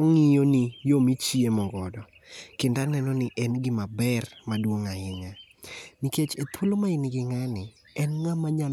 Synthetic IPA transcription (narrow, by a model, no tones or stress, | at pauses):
oŋijonɪjomit͡ʃiemɔŋɡɔdɔ | kɪndanɛnɔnɪʔɛnɡɪmabɛrmadwoŋaɪɲa | niket͡ʃet̪ʰwulomaɪnɪɡɪŋanɪ | ɛnŋamaɲal